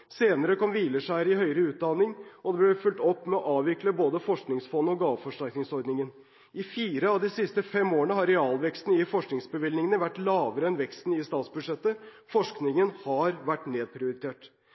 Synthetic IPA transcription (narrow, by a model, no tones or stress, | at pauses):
seːnəɾəkɔmʋiːləʂæɪɾɪhœʏəɾəʉːt̪̚d̪ɑnɪŋʔɔd̪ɛblɛfʉlt̪ɔpːmɛɔʔɑːʋʋɪkləboːd̪əfɔʂknɪŋsfɔnəɔɡɑːʋfɔʂʈæɾknɪŋsɔɾd̪nɪŋən | ʔɪfiːɾəɑʋd̪ɪsɪst̪əfɛmːoːəɳəɦɑɾɛɑːlʋɛkst̪n̩ɪfɔʂknɪŋsbəʋɪlnɪŋənəʋæʈːlɑːʋəɾəɛnʋɛkst̪n̩ɪst̪ɑːt̪sbʉd̪ʂɛt̪ːə | fɔʂknɪŋənhɑɾʋæʈːneːd̪̚pʰɾɪʊɾɪt̪ʰeːʈ